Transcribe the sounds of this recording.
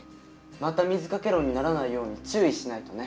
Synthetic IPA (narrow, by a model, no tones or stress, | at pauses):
mat̪amʲizɨkake̞ɾo̞ɲ̟ːinaɾanaijo̞ːɲ̟it͡ɕɨːiɕinait̪o̞ne̞